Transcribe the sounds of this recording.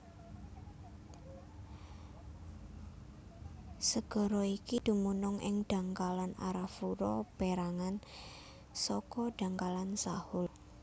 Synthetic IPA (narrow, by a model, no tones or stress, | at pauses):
səɡ̥ɔ̤ɾɔikid̪̥ṳmunɔŋʔɪ̰ŋd̥a̤ŋkalana̰ɾafuɾɔb̥eɾaŋan | sɔkɔɖ̥a̤ŋkalansahʊl